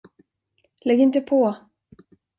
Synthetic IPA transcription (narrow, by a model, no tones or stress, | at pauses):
lɛɡɪnt̪əpʰɔ